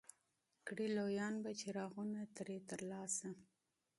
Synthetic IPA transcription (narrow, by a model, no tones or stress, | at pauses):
kɽilojɑnbat͡ʃeɾɑɣunat̪ɾet̪əɾlɑsa